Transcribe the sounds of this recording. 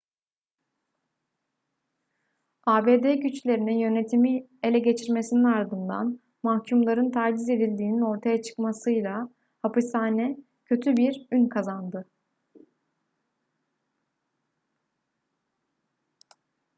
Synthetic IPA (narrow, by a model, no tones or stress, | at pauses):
aːbe̞ːd̪eːɟyt͡ʃlʲe̞ɾinijø̞ne̞t̪ʰimi | e̞lʲɛɟe̞t͡ʃʰiɾme̞sininaɾd̪ɯnd̪a̰n | mahcʰumlˠaɾɯnt̪ʰaɾd͡ʒize̞d̪ilʲd̪iːnino̞ɾt̪ʰajat͡ʃʰɯ̥kmasɯjlˠa | hapɯsaːnɛ | cʰø̞t̪ʰybiɾynkʰazand̪ɯ